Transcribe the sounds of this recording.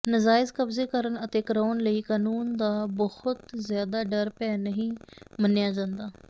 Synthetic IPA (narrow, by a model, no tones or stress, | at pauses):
nəzaːɪzkəbzeːkəɾənət̪eːkəɾaːnləiːkaːnuːnd̪aːbəhʊt̪zɪjaːd̪aːɖəɾpɛːnəɦĩːmənːɪjaːd͡ʒãːnd̪aː